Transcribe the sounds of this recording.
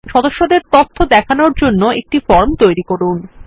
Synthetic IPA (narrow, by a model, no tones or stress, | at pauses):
ʃɔd̪oʃːod̪eɾt̪ot̪ʰːod̪ɛkʰanoɾd͡ʑonːoek̚ʈifɔɾmt̪ojɾikoɾun